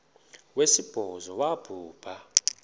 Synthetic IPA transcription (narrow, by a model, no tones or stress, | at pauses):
wesib̥ʱɔzɔwab̥ʱuːb̥ʱa